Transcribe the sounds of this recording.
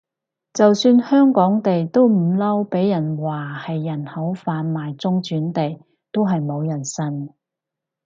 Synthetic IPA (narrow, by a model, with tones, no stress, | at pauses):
t͡sɐ˨wsyː˧nhœː˥ŋkɔː˨˥ŋt̪e˨jt̪o˥wm̩˨˩lɐ˥wpe˨˥jːɐ˨˩nwaː˨˩hɐ˨jːɐ˨˩nhɐ˨˥wfaː˨˧nmaː˨jt͡sʊ˥ŋt͡ʃyː˨˥nt̪e˨j | t̪o˥wɦɐ˨jmo˨˧wjɐ˨˩nsɐ˥n